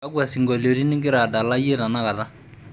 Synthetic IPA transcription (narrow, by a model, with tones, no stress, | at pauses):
a˦ɡu˦a˨si˨ŋɡɔ˨lo˨di˦ni˦ɡi˦ɾa˨da˨la˦je˦ta˨na˦ka˨ta˦